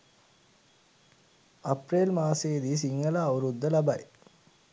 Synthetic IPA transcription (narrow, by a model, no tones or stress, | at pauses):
ɐpɾeːlmaːseːd̪iːs̬iŋɡɐlaːuɾud̪ːɐlɐbɐj